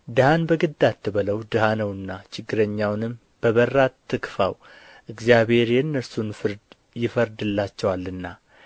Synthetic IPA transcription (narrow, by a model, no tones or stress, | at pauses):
d̪ɨhanbəɡɨd̪ːat̪ʰːɨβələwd̪ɨhanəwɨnːat͡ʃʰɪɡːɨɾəɲːawnɨm | b̥əβərːat̪ʰːɨkfa̰w | ʔɨɡzjaβhe̞ɾjɛnːəsunfɨɾd̪ | jɪfəɾd̪ɨlːat͡ʃːɛwalːɨnːa